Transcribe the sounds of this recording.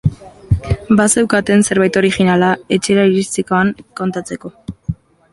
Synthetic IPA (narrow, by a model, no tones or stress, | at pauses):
base̞wkat̪e̞nse̞ɾβajt̪o̞ɾixinalae̞t͡ʃe̞ɾaiɾist̪ikoaŋko̞nt̪at͡se̞ko̞